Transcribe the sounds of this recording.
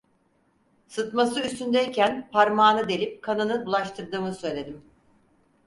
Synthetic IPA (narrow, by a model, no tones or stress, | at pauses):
sɯt̪masɯyst̪ʰynd̪eicænpʰaɾmaːnɯd̪e̞lʲip̚kʰanɯnɯbulˠaʃt̪ʰɯɾd̪ɯːmɯsø̞jlʲe̞d̪im